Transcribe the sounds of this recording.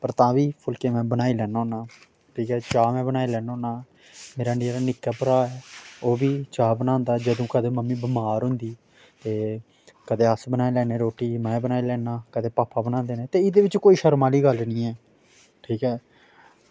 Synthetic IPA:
pəɾt̪ãːʋiːpʰʊlkeːmɛ̃ːbənaːiːlɛːnːonaː | ʈʰiːkɛːt͡ʃaːmɛ̃ːbənaːilɛːnoːnaː | meːɾaːneɾaːnɪkːaːpəɾaːɛːoːbiːt͡ʃaːbənãːnd̪aːɛːd͡ʒəd̪õːkəd̪ẽːməmːĩːbəmaːɾɦʊ̃nd̪iː | t̪eː | kəd̪eːəsbənaːilɛːnẽːɾoːʈiːmɛ̃ːbənaːiːlɛːnaːkəd̪eːpaːpːaːbənãːnd̪eːneːt̪eːɪd̪eːʋɪt͡ʃkoːiːʃəɾmaːliːɡəlnĩːɛː | ʈʰiːkɛː

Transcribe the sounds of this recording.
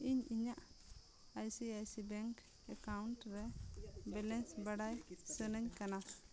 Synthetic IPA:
iɲiɲaʔ | ajsiajsibɛŋk | ɛkawuɳʈɾɛbɛlɛnsbaɽajsənəɲkana

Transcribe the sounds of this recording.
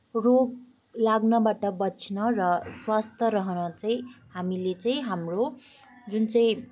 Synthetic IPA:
rob̚ | laɡnʌbaʈʌbʌt͡sʰnʌrʌswast̪ʰʌɾʌɦʌnʌt͡saĩɦamilet͡saĩɦamro | d͡zunt͡saĩ

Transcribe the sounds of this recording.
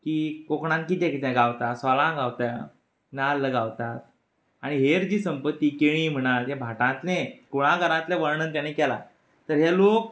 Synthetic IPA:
kiːkokɳ̃ãnkit̪ɛ̃kit̪ɛ̃ɡawt̪asʋalãɡaʋt̪a | nalːəɡaʋt̪at̪̚ | aɽ̃iɦeɾd͡ʑiːsəmpət̪ːiːkeɭ̃ĩːm̤əɽ̃alɦẽbʱaʈãnt̪nẽkoɽ̃ãɡəɾãt̪lẽʋəɾɳənt̪janekɛla̰ | t̪əɾɦelok̚

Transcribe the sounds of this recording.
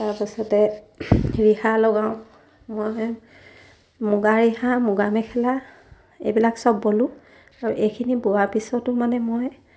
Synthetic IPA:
taɹpisɔtɛ | ɹihalɔɡaʊ̃ | moj | mʊɡaɹiɦamʊɡamɛkʰɛla | ḛjbilaksɔbːolʊ̃ | aɹuʔejkʰinibuwapisɔtʊmanɛmoj

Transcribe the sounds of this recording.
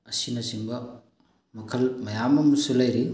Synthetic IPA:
ɐsinɐsiŋbɐ | mɐkʰɐlmɐjamɐmɐsulɐjɾi

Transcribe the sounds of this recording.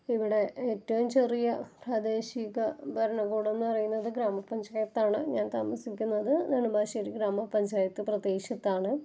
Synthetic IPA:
iʋiɽe̞eːtːɐʋumt͡ɕerijɐpraːd̪eːɕiɣɐbʱɐɾɐɳɐɡuːɽonːɨpɐrɐjunːɐðɨɡɾaːmɐpːɐɲd͡ʑaːjɐt̪ːaːɳɨɲaːnt̪aːmɐsikʲːunːɐðɨnɐɳubaːɕɐɾiɡɾaːmɐpːɐɲd͡ʑaːjɐt̪ːɨprɐd̪eːkʂɐt̪ːaːɳɨ

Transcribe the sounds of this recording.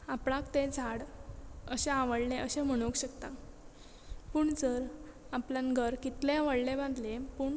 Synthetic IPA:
apɽãkt̪ẽd͡zʱaɽəɕeaʋəɽleʔəɕem̤əɽ̃okɕəkt̪a | puːɳd͡zəɾaplanɡʱəɾkit̪leaʋəɽlebãnd̪lepuːɳ

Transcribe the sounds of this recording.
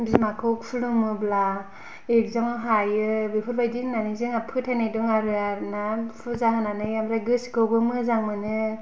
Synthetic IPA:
bzimakʰɯk̚pʰulumɯbla | ekzaŋɦajɯbepʰɯɾbajdiŋnanizɯŋapʰɯtʰajnajduŋaɾɯaɾnapʰɯzaɦɯnanɯjamɾaɡɯsɡɯwɡɯmɯzaŋmɯnɯ

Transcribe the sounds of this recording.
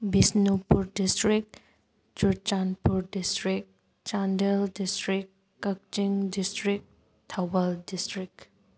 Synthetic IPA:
bisnupuɾdistɾik̚ | t͡ʃuɾt͡ʃanpuɾdistɾik̚ | t͡ʃandeldistɾik | kːak̚t͡ʃiŋdistɾik̚ | tʰawaldistɾik̚

